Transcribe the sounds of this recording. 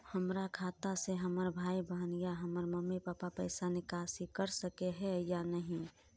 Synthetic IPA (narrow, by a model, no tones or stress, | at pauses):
həmɾakʰaːt̪aseɦəməɾbʱaːibəɦnijaɦəməɾməmepaːpapə̰ɪsanɪkaːsikəɾsəkeɦɛjanəɦĩ